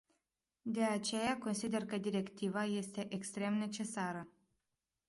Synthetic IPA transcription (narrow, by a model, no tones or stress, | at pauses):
d̪e̞at͡ʃe̞jako̞nsid̪e̞rkəd̪iɾe̞kt̪ivaje̞st̪e̞ʔekst̪ɾe̞mne̞t͡ʃe̞saɾə